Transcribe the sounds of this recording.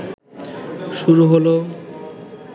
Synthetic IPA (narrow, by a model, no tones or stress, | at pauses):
ʃuɾuɦolo